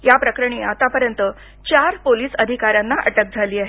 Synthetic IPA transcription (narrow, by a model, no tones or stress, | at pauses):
japɾəkɾəɳ̃iat̪apəɾjənt̪ə | t͡ɕaɾpoliːsəd̪ʱikaɾjãnːaʔə̰ʈək̚d͡zʱaliːaɦe